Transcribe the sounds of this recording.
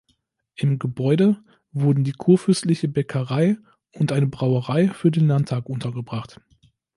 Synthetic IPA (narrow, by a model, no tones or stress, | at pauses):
ʔɪmɡəbɔʏdə | vʊɐdn̩diːkʰuːɐfʏstlɪçəbɛkʰəʁaɪ | ʊntʔaɪnəbʁaʊəʁaɪfyːɐdeːnlaɐntʰaːkʔʊntʰɐɡəbʁaχt